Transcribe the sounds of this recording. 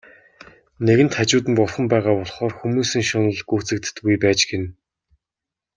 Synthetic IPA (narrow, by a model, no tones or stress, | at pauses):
neɣɘ̆n̥t̪χat͡ɕʊːt̪ɘ̆mpɔrχə̆mpæːʁaːpɔɮχɔːrxumuːsɘ̆ŋʃɔnə̆ɮɡuːt͡sɘ̆k̚t̪ɘ̥̆t̪ɡujpæːt͡ɕɡen